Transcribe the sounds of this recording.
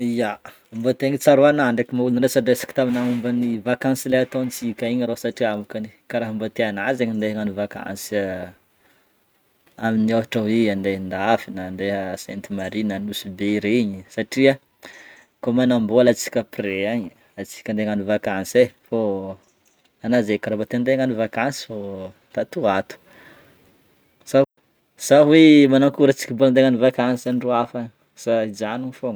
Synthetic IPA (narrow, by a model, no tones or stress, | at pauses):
ija | mbot̪eɲit͡saɾuanaɳɖ͡ʐekʲimauluniɾesaɖ͡ʐesḁki̥t̪aminaumbənivakãnsileɦat̪ont͡sikʲaiɲɾosaʈ͡ʂiamukanikaɾaɦmbot̪eanazeɲind̪eŋanuvaka̰nsa | aminiaɦaʈ͡ʂawianɖ͡ʐend̪aafinanɖ͡ʐeɦəsḛnt̪imaɾinanusubeiɾeiɲisaʈ͡ʂia | komanambolat͡si̥kʲəpreaɲ | at͡si̥kʲand̪eŋanuvakansefo | anazekaɾabat̪end̪eŋanuvakansi̥fo | t̪at̪uat̪u̥ | sa | z̥aɦwemanaŋkuɾət͡si̥kʲiboland̪eŋanuvakansaniruafaɲ | saizaniɲfoŋ